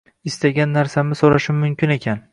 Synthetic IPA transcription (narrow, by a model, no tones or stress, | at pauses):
ɪst̪aɡʲanːaɾsamɪsoɾaʃɪmːʊmkʲɪne̞kʲʰan